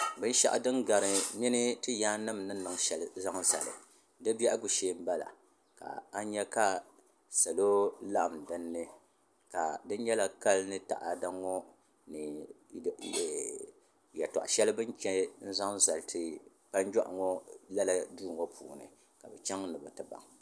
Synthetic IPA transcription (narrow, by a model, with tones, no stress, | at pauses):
bɨ˦n˦ʃa̰˦ʔa̰˦dɨ˦nɡa˨ɾɨ˨mi˦nɨ˦tɨ˦jaː˦nɨ˦mnɨ˦n˦nɨ˨ŋ˦ʃɛ˨lza˦ŋ˦za̰˨lɨ̰˨ | dɨ˦bɛ˦ʔa˦ɡu˨ʃeː˦m̩˦ba˦la̰˨ | ka̰˨a˦ɲɛ˦ka˦ | sa˨lo˦la˦ʔa˨mdɨ˦nːɨ˦ | ka˨dɨ˦n˦ɲɛ˦la˦ka˦lnɨ˦ta̰˨ʔa˨da˦ŋːɔ˦ | nɨ˨ | jɛ˨tɔ̰˨ʔa˨ʃɛ˦lɨ˦bɨ˦nt͡ʃɛ˦n̩˦za˦ŋza˨ltʰɨ˨ | pa˦n˦d͡ʒɔ˦ʔŋɔ˦la˦la˦duː˦˨ŋo˦pʰṵː˨nɨ̰˨ | ka˨bɛ˨t͡ʃɛ˦ŋ˦nɨ˨ba˨tɨ˨ba̰˨ŋ